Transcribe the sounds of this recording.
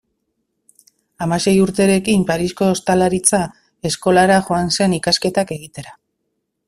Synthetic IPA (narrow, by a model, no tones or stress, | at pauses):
amase̞juɾt̪e̞ɾe̞kimpaɾisko̞ːst̪alaɾit͡sa | e̞sko̞laɾaʝo̞anse̞nikaske̞t̪ake̞ɣ̞it̪e̞ɾa